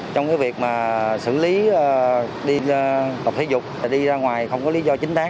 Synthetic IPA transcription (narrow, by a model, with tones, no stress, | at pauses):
t͡ɕɔ˧ŋ͡mkaː˨˦jvi˨˩ək̚maː˨˩sɨ̰˧˨li˨˦˨ | ɗi˧t̪ə˨˩p̚t̪ʰi˨˦zʊ˨˩k͡p̚a˨˩ɗi˧zaː˧ŋwaː˨˩jxə˧wŋ͡mkɔ˨˦li˨˦zɔ˧t͡ɕï˨˦ŋ̟t̪aː˦˥